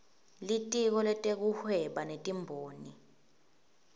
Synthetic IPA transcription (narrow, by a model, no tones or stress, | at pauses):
litʼik̬ɔlɛtʼek̬uhwɛɓanetʼimbʱoːni